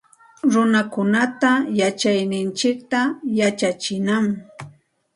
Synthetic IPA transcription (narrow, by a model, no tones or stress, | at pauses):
ɾʊnakʊnat̪ajat͡ʃajnɪnt͡ʃɪk̚t̪ajat͡ʃat͡ʃɪnam